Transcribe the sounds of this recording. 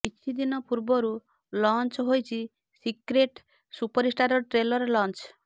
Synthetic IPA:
pit͡ʃʰid̪inɔpuɾbɔɾu | lɔnt͡ʃɦojt͡ʃʰi | sikɾeʈ | supɔɾisʈaɾɔʈɾelɔɾɔlɔnt͡ʃ

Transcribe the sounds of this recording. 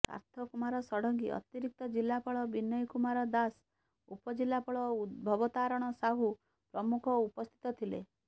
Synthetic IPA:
ka̰ɾt̪ʰɔkumaɾɔsɔɽɔŋɡiʔɔ̰t̪iɾik̚t̪ɔd͡ʒilːapɔɭɔbinːɔjkumaɾɔd̪as | upɔd͡ʒilːapɔɭɔud̪bʱɔbɔt̪aɾɔɽ̃ɔsaɦu | pɾɔmukʰɔupɔst̪ʰi̥t̪ɔt̪ʰilḛ

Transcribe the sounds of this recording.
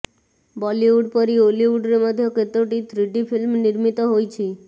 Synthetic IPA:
bɔliuɖpɔɾioliuɖɾemɔd̪ʱjɔket̪oʈit̪ʰɾiʈipʰilmniɾmit̪ɔɦojt͡ʃʰi

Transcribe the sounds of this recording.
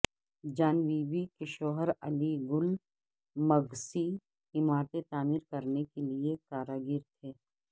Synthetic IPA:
d͡ʒaːnʋiːbikeʃɔːɦəɾɐliɡʊl | mɐɡsi | ɦɪmaːt̪et̪aːmiɾkɐɾnekeliekaːɾaːɡɪɾt̪ʰeː

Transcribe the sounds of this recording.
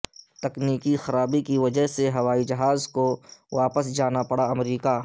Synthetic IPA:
t̪ɐkniːkixɐɾaːbikiʋɐd͡ʒəɦseɦɐʋaːid͡ʒɐɦaːzkoʋaːpəsd͡ʒaːnapɐɽaɐmɾiːka

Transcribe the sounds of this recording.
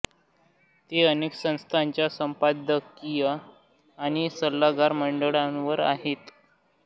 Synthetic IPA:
t̪eəneːksə̃ñst̪ʰaɲt͡ɕjasəmpad̪əkːijə | aɽ̃isəlːaɡaɾməɳɖəɭãnʋəɾa̰ɦet̪

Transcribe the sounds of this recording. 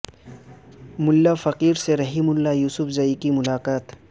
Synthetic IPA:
mʊlːafɐqiːɾseɾɐɦimʊlːajuːsʊfzɐikimʊlaːqaːt̪

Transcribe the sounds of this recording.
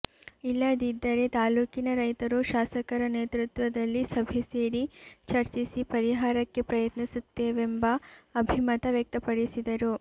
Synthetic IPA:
ilːɐd̪id̪ːɐɾe̞t̪aːluːkinɐɾɐjt̪ɐɾuʃaːsɐkɐɾɐneːt̪ɾut̪ʋɐd̪ɐlːisɐbʱese̞ːɾit͡ʃɐɾt͡ʃisipɐɾiɦaːɾɐkːe̞pɾɐjɐt̪nisut̪ːeːʋembɐːbʱimɐt̪ɐʋjɐk̚t̪ɐpɐɽisid̪ɐɾu

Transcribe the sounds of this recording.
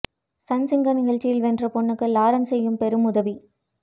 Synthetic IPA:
sɐnsɪŋɡɐnɪɣɐɭt͡ʃːɪjɪlʋɛndrɐpɔɳːɯkːɯlaːɾɐnsɛjːɯmpɛɾɯmʊðɐʋi

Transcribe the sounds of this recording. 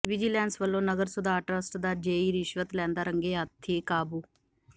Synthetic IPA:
ʋɪd͡ʒiːlɛ̃ːnsʋəlːõːnəɡəɾsʊd̪aːʈɾəsʈd̪aːd͡ʒeːiːɾɪʃʋət̪lɛ̃ːnd̪aːɾəŋɡeːɦat̪ʰːeːkaːbuː

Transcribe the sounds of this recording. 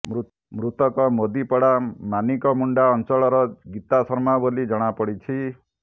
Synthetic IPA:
mu | mɾut̪ɔkɔmod̪ipɔɽamanikɔmuɳɖaɔnt͡ʃɔɭɔɾɔɡit̪asɔɾmabolid͡ʒɔɽ̃apɔɽit͡ʃʰi

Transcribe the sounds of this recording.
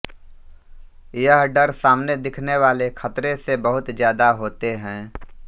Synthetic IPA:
jəɦɖɐɾsaːmned̪ɪkʰneʋaːlekʰɐt̪ɾesebəɦʊt̪zjaːd̪aɦoːt̪eɦɛ̃ː

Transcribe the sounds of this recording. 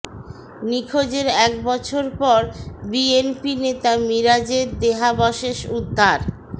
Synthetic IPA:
nikʰod͡ʑeɾɛk̚bɔt͡ɕʰoɾpɔɾbienpinet̪amiɾad͡ʑeɾd̪eɦabɔʃeʃud̪ʱːaɾ

